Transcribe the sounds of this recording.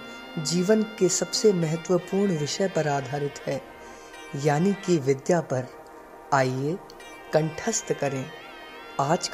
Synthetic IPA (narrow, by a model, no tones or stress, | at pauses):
d͡ʒiːʋənkesɐbsemɐɦət̪wəpuːɾɳʋɪʃəjpɐɾaːd̪ʱaːɾɪt̪ɦɛː | jaːnikiʋɪd̪japɐɾ | aːie | kɐ̃ɳʈʰəst̪kɐɾẽː | aːd͡ʒk